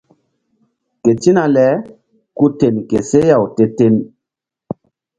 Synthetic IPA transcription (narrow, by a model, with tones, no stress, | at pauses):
ke˨ti˦na˨lɛ˨˦ | ku˦te˨nkḛ˨se˦ja˨wte˦te˦n